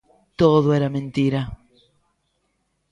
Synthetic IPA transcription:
t̪oðoeɾamẽnt̪iɾa

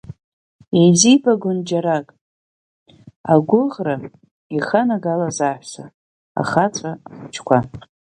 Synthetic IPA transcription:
izibaɡʷʊnd͡ʒaɾakʼ | aɡʷʊʁra | iχanaɡalazaħʷsa | a̰χat͡sʷʰʼaχt͡ʃʰkʷʰa

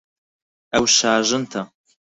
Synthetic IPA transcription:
ɐwʃaːʒɨnt̪ʰɐ

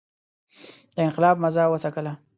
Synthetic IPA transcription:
d̪̥əɪnqɪlɑbmazɑwəsakəla

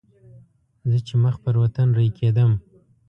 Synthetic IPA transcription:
zət͡ʃeməxpəɾwat̪anɾaikʰed̪əm

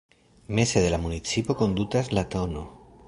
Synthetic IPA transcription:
meseðelamunit͡sipokond̪ut̪azlat̪ono

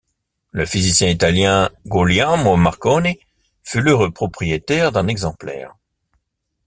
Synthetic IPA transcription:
ləfizisjɛ̃it̪aljɛ̃ɡuljãmomaʁkɔne | fyləʁøpχɔpχijet̪ɛʁd̪ɛ̃nɛɡzɑ̃plɛ̰ːʁ

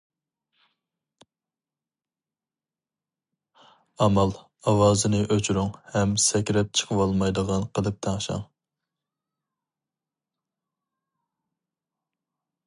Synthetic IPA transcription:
ɑmɑlˠ | ɑwɑːzɨnɨʔøt͡ʃʰɾyŋhɛmsɛkʲɾɛp̚t͡ʃʰə̥qʰəwɑlˠmɑjd̪əʁɑnqʰəlˠɨp̚t̪ʰɑŋʃɑ̰ŋ

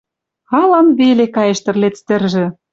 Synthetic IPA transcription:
ɑlɑmβelekɑjĕʃt̪ə̆rlet͡st̪ɘ̆rʒɘ̆

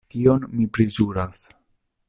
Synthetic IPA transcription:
tio̞nmipɾezuɾas

